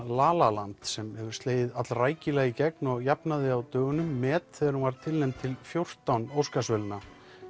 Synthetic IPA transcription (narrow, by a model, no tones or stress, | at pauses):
laːlalant̪sɛmhɛvʏɾ̥st̪leːjðɪðat̪lraːjcɪlɛɣicɛknɔɣjapnaðɪawt̪œːɣʏnʏmːɛːt̪θɛðaɾhunvaɾ̥t̪ʰɪlnɛjmt̪ʰɪlfjowr̥t̪awnowskasvœlɪnːa